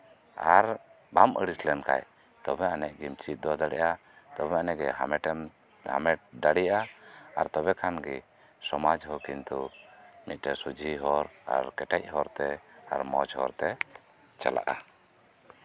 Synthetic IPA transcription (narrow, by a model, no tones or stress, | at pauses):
aɾ | bamʔəɽislɛnka̰j | t̪ɔbɛanɛʔ̚ɡimt͡ʃit̪̚ˀd̪ɔd̪aɽɛ̰ʔa | t̪ɔbɛanɛɡɛɦamɛʈɛm | ha̰mɛʈ̚d̪aɽɛʔaaɾt̪ɔbɛkʰanɡɛ | sɔmad͡ʒɦɔkint̪umit̪̚ˀʈɛsud͡ʒʱiɦɔɾa̰ɾkɛʈɛc̚ˀɦɔɾt̪ɛa̰ɾmɔd͡ʒɦɔɾt̪ɛ | t͡ʃa̰la̰ʔa